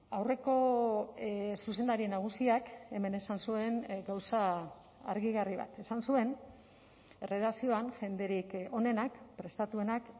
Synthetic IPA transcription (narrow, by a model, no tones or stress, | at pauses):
awre̞ko̞ | sus̬e̞nd̪aɾienaɣ̞usiake̞me̞ne̞sansue̞nɡawsa̰ː | ɾɣiɣariβa̰t̪e̞sansue̞n | ereðasio̞anʝe̞nd̪e̞ɾiko̞ne̞nakpɾe̞st̪at̪ue̞nak